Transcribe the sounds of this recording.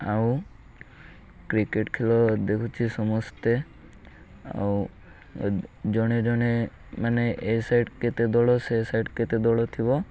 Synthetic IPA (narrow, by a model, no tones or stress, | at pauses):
aw | kɾikeʈkʰelɔd̪ekʰut͡ʃʰisɔmɔst̪e | a̰w | d͡ʒɔɽ̃ed͡ʒɔɽ̃e | maneʔesajɖket̪ed̪ɔɭɔsesajɖket̪ed̪ɔɭɔt̪ʰibɔ